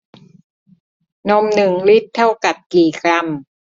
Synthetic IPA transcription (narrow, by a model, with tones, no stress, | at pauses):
no˧mnɯ˨˩ŋli˦˥t̪ʰːa˥˩wka˨˩p̚kiː˨˩kʰɾa˧m